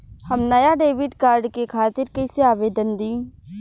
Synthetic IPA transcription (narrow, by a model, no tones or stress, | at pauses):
hɐmnɐjaɖeːʋɪʈkaːɾɖkekʰaːt̪ɪɾkɐɪseaːʋeːd̪ənd̪iː